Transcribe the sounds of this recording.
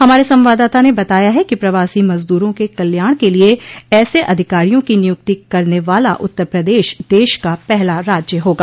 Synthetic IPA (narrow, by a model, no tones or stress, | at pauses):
ɦɐmaːɾesɐ̃mʋaːd̪aːt̪anebɐt̪aːjaɦɛkipɾɐʋaːsimɐzd̪uːɾõkekɐljaːɽ̃kelieɛːseʔɐd̪ʱɪkaːɾijõkinɪjʊk̚t̪ikɐɾneʋaːlaʔʊt̪ːəɾpɾɐd̪eːʃd̪eːʃkapɛɦlaɾaːd͡ʒjəɦoːɡaː